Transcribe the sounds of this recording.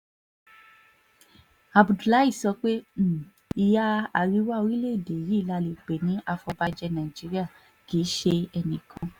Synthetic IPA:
a˨bu˨du˨la˨˦i˦˨sɔ˧k͡pe˦˨ | i˧ja˦a˨ɾi˧˦wa˦o˧ɾi˦le˦i˨de˨ji˨˦˨la˧le˨k͡pe˨nĩ˨˦ʔa˧fɔ˧ba˧d͡ʒɛ˧˦nã˨i˨d͡ʒi˨˦ɾi˦a˦˨ | ki˨˦ʃe˧ɛ˧nĩ˨kʰã˧

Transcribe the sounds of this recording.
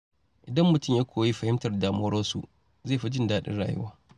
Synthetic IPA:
ʔɪ˨dɐ˦mːʊ˨tʊ˦˨mja˦kʷʰoː˨ji˦ɸɐ˨hɪ˦mtɐ˨rdaː˦moː˦ɽɐ˦sṵ˨ | zeː˦˨ɸi˦d͡ʒɪ˦ndaː˦ɗɪ̰˦nɽaː˨jʊ̰˦waː˦

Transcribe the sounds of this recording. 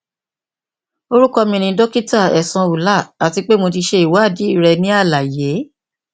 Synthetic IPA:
o˧ɾu˦kɔ˧mĩ˧ñĩ˧˦dɔ˦ki˦ta˦˨ɛ˨sɔ̃˧u˨la˦˨a˨ti˧k͡pe˦mo˧ti˧ʃe˧i˨wa˨˦˨di˨˦i˦˨ɾɛ˧nĩ˦a˦˨la˨je˨˦

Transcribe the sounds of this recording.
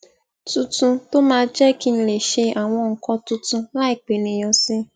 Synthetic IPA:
tu˦tu˧to˦mãː˦d͡ʒɛ˦ki˦n̩˦le˨ʃe˧a˨w̃ʷɔ̃˧˨ŋ̩˨kɔ˦tu˦tu˧la˦i˨k͡pe˨ne˨jɔ̃˨si˦

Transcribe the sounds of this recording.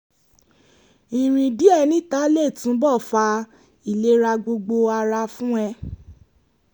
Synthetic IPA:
ĩ˨ɾ̃ĩ˨di˦ɛ˦˧nĩ˦ta˦le˦˨tũ˨˦bɔ˦˨fa˧ | i˦˨le˨˦ɾa˧ɡ͡bo˧ɡ͡bo˧a˧ɾa˧fũ˦ɛ˧

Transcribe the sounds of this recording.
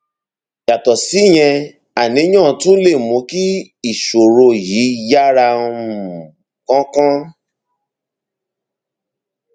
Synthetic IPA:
ja˨tɔ˨si˨˦˨j̃ɛ̃˧ | a˨nĩ˨˦j̃ã˦˨tũ˦le˦˨mũ˨˧˦ki˦ | i˦˨ʃo˨ɾo˧ji˨˦ja˦ɾã˧˦˨ | kã˦kã˦

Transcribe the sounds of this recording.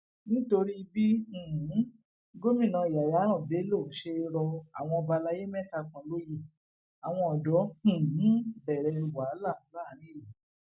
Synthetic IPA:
nĩ˦to˧ɾi˦˧bĩ˦˨˦ | ɡo˦mĩ˦˨nãː˨˧i˨ja˨ja˨˦ɾ̃ɔ̃˦˨be˨˦lo˦˨ʃe˧ɾɔ˧a˨w̃ɔ̃˧ɔ˧ba˧la˧je˦mɛ̃˦˨ta˧kã˨˧lo˦je˦˨ | a˨w̃ɔ̃˧ɔ˨dɔ̃˨˦˨ĩ˦bɛ˨ɾɛ˧u˨wa˨˦la˦˨laː˦˨ɾ̃ĩ˦le˨

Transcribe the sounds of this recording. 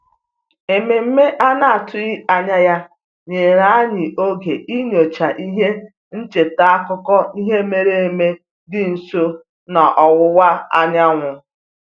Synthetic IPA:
e˨me˨m̩˦me˦ʔa˦na˦a˨tʊ˦i˦a˨ɲa˦ja˦ | ɲe˨ɾa˦a˦ɲɪ˨ʔo˦ɡe˨ʔi˦ɲ˨o˨t͡ʃa˨ʔi˦ɦe˦ | n̩˦t͡ʃe˨ta˦a˦kʊ˦kɔ˦i˦ɦe˦me˦ɾe˦e˨me˦ | dɪ˨n̩˨so˦ | na˨ʔɔ˨wʊ˦wa˦a̰˦ɲa˦ŋʷʊ˨

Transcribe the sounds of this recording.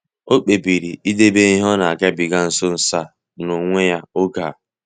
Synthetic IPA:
o˦k͡pe˨bi˨ɾi˨ʔi˦de˦be˦i˦ɦɔ˦na˨a˨ɡa˦˨bi˨ɡa˦n̩˨so˦n̩˨sa˦˨ | no˨ŋʷe˦ja˦o˦ɡa˨

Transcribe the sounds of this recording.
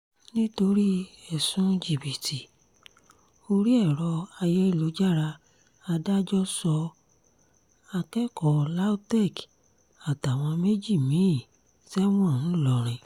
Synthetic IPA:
nĩ˦to˧ɾi˦ɛ˨sũ˦d͡ʒi˨bi˨tʰi˨ | o˧ɾi˦ɛ˦˨ɾɔ˧a˧jɛ˦i˦˨lo˨˦d͡ʒa˦˨ɾa˧ | a˧da˦d͡ʒɔ˦sɔ˧ | a˧kɛ˦kɔ˨la˦tɛ˦˨k | a˨ta˨w̃ɔ̃˧me˦d͡ʒi˦˨mĩ˨˦˨ | sɛ˦mũ˦a˦˨ũ˦lɔ˨ɾ̃ɛ̃˨

